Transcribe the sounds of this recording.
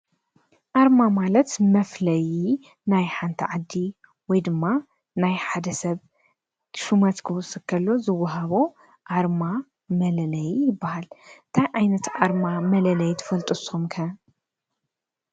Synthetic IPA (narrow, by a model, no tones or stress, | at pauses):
ʔaɾmamalɐt̪mɐflɐji | najħant̪ʰɐʕad̪ːi | wɔjd̪ɨmːa | najħad̪ɐsɐβ | ʃumɐt̪kʰɨwɔsɨkʰːɐlːo̞zɨwːɐɦaβo | ʔaɾma | mɐlɐlɐjjɪbːahalnt̪ʰajʕajnɐt̪ʔaɾmamɐlɐlɐjt̪ʰɐ̥fɐlt̪ʼosomkʰɐ